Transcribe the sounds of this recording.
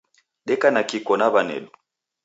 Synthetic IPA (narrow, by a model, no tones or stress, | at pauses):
ɗɛkanakikɔnaβanɛ̰lu